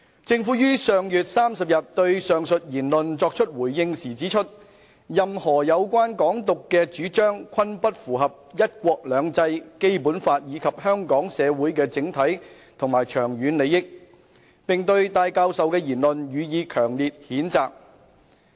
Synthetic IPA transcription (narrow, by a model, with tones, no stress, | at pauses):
t͡sɪ˧ŋfuː˨˥jyː˥sœː˨ŋjyː˨t̚saː˥msɐ˨p̚jɐ˨t̚t̪ɵ˧ɥsœː˨ŋsɵ˨t̚jiː˨˩nlɵ˨nt͡sɔː˧k̚t͡ʃʰɵ˥t̚wuː˨˩jjɪ˧ŋsiː˨˩t͡siː˨˥t͡ʃʰɵ˥t̚ | jɐ˨mhɔː˨˩jɐ˨˧wkʷaː˥nkɔː˨˥ŋt̪ʊ˨kːɛː˧t͡ʃyː˨˥t͡ʃœː˥ŋkʷʰɐ˥npɐ˥t̚fuː˨˩ɦɐ˨p̚jɐ˥t̚kʷɔː˧k̚lœː˨˧ŋt͡sɐ˧jke˥jpuː˨˥nfaː˧t̚jiː˨˧kʰɐ˨p̚hœː˥ŋkɔː˨˥ŋsɛː˨˧wuː˨˥jkɛː˧t͡sɪ˨˥ŋt̪ʰɐ˨˥j | t̪ʰʊ˨˩ŋmaː˨˩jt͡ʃʰœː˨˩ŋjyː˨˧nle˨˧jɪ˥k̚ | pɪ˨ŋt̪ɵ˧ɥt̪aː˧jkaː˧wsɐ˨wkɛː˧jiː˨˩nlɵ˨njyː˨˧jiː˨˧kʰœː˨˩ŋliː˨t̚hiː˨˥nt͡saː˨k̚